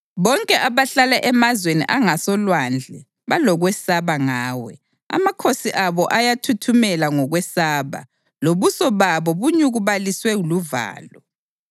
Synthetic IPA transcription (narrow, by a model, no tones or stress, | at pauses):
βɔŋkʼɛʔaβaɬalɛʔɛmazwenḭʔaŋasɔlwand͡ɮʱɛ | βalɔɣwɛsaβaŋaːwɛ̰ | a̰makʰosiʔaβɔʔajatʰutʰumɛlaŋɔɣwɛsaːβa̰ | loβusɔβaβɔβuɲuɣuβaliswɛuluva̰ːlɔ